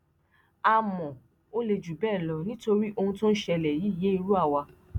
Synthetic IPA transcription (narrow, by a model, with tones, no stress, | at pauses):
a˧mɔ̃˨ | o˦le˧d͡ʒu˨bɛː˦˨lɔ˧nĩ˦to˧ɾi˦ʔo˧hũ˧tõ˦n̩˦ʃɛ˧lɛ˨ji˨˦i˦˨je˨˦i˧ɾu˦a˦˨wa˧